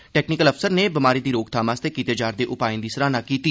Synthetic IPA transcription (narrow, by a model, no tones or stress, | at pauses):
ʈɛːknɪkələfsəɾneːbɪmaːɾiːd̪iːɾoːkt̪ʰaːmaːst̪eːkiːt̪eːd͡ʒaːɾd̪eːʔʊpaːɪ̃nd̪iːsəɾaːnaːkiːt̪iː